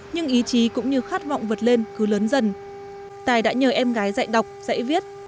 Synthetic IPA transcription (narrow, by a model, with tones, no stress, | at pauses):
ɲɨ˧ŋʔi˨˦t͡ɕi˨˦kʊ̰˧˥ŋ͡mɲɨ˧xaː˦˥t̚va̰˧˨wŋ͡mvə˨˩t̚le˧nkɨ˨˦ləː˨˦nzə˧˩n | t̪aː˨˩jɗa̰ː˧˥ɲəː˨˩ʔɛ˧mɣaː˨˦jza̰ː˧˨jɗə˨˩wk͡p̚z̥a̰˧˥˨jvi˦˥ət̚